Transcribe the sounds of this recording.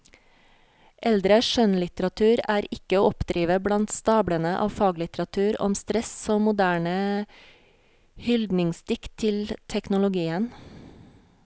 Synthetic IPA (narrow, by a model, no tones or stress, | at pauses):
ʔɛld̪ɾəʃœnlɪt̪əɾɑt̪ʰʉːɾæːɾɪkəoːɔpd̪ɾiːʋəblɑnt̪st̪ɑːbɽənəʔɑ̰ːʋfɑːɡlɪt̪əɾɑt̪ʰʉːɾɔ̰mst̪ɾɛsoːmʊd̪æːɳə | hʏld̪nɪŋst̪ɪkt̪ʰɪlt̪ʰɛknʊlʊɡiːən